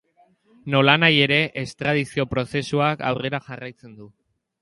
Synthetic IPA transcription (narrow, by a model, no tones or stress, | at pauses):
no̞lanaje̞ɾe̞ʔest̪ɾað̞isio̞pɾo̞se̞suaka̰wre̞ɾaʝarajt͡se̞nd̪u